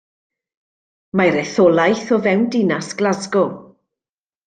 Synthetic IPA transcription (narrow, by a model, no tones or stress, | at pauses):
majɾɛθɔlˠajθɔvɛwndɪnasɡ̥lazɡɔ